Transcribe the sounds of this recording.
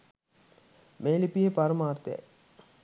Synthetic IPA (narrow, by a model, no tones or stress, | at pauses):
meːlipiɦepaɾəmaːrt̪ja̰j